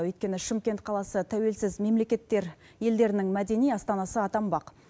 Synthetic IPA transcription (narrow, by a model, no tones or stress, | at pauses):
wɵjt̪kʲe̞nɪʃɪmkʲe̞nt̪̚qʰɑlˠɑsət̪ʰæwe̞lsɪzme̞mle̞kʲe̞t̪ːe̞ɾ | je̞ld̪e̞ɾɪnɪŋmæd̪e̞nijɑst̪ɑnɑsəɑt̪ɑmbɑq